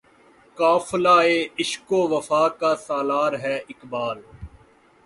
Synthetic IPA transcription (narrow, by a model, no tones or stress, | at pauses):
kaːflaːeːɪʃkoːʋəfaːkaːsaːlaːɾɦɛːɪkbaːl